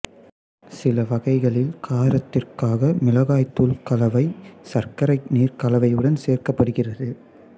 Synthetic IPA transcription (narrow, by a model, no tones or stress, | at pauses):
sɪlɐʋɐɣɐɪɣɐɭɪlkʰaːɾɐt̪ːɪrkaːɣɐmɪlɐɣaːjt̪ːuːlkɐlɐʋɐɪsɐrkɐɾɐɪniːrkɐlɐʋɐɪɯɽɐnseːrkɐpːɐɽɯɣɪrɐðɯ